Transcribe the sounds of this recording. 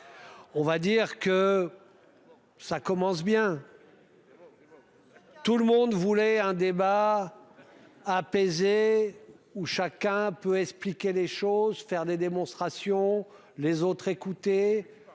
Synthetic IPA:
ɔ̃vad̪iʁkə | sakɔmɑ̃sbjɛ̃ | t̪ulmɔ̃d̪vulɛɛ̃d̪eba | apeze | uʃakʲɛ̃pøɛksplikʲeleʃozfɛʁd̪ed̪emɔ̃st̪χasjɔ̃ | lezot̪χekut̪e

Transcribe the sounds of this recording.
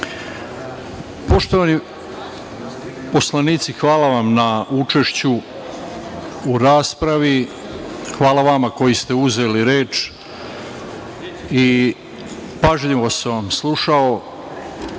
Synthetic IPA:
po̞ʃt̪o̞ʋani | po̞slaniːt̪sixʋaːlaʋamnaut͡ʃe̞ʃt͡ɕu | uɾaːspɾaʋi | xʋaːlaʋamako̞jist̪e̞uze̞liɾeːt͡ʃ | i | paʒʎiʋoseʋamslˠuʃao̞

